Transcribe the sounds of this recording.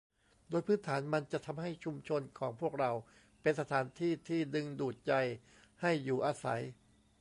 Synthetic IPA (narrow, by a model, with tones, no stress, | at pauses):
doː˧jpʰɯː˦˥nt̪ʰaː˩˦nma˧nt͡ɕa˨˩ʔt̪ʰa˧mɦa˥˩jt͡ɕʰu˧mt͡ɕʰo˧nkʰɔː˩˦ŋpʰu˥˩ək̚ɾa˧w | pe˧nsa˧t̪ʰaː˩˦nt̪ʰiː˥˩t̪ʰiː˥˩dɯ˧ŋduː˨˩t̪̚t͡ɕa˧j | ha˥˩jːuː˨˩ʔaː˧sa̰˩˦j